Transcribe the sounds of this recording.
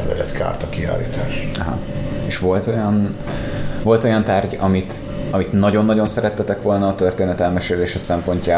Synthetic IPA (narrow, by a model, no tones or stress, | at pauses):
vɛ̰d̪ɛ̰t̪kʰa̰ːrt̪ɒkia̰ːlḭːt̪aːʃɒɦɒ̰eːʃʋo̞lt̪o̞jɒn | ʋo̞lt̪o̞jɒnt̪aːrɟɒmit̪ | ɒmit̪nɒɟo̞nːɒɟo̞nsɛɾɛt̪ːɛt̪ɛkʋo̞lnɒːt̪ø̞rt̪eːnɛt̪ɛlmɛʃeːleːʃɛsɛmpo̞ɲcaː